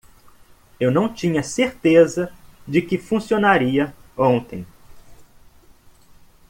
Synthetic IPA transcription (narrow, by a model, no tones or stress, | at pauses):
ewnɐ̃w̃t͡ʃĩɲɐseɾt̪ezɐd͡ʒɪkɪfũsionaɾiɐõnt̪ẽj̃